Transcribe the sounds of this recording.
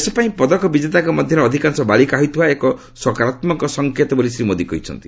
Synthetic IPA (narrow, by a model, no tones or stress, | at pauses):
esɔpaĩpɔd̪ɔkɔbid͡ʒet̪akɔmɔd̪ʱjɔɾɔːd̪ʱikansɔbalikaɦɔjt̪ʰiaekɔ | swɔkaɾat̪mɔŋkɔsɔŋkʰet̪ɔbɔlisɾimod̪ikɔɦit͡ʃʰɔ̰nt̪i̥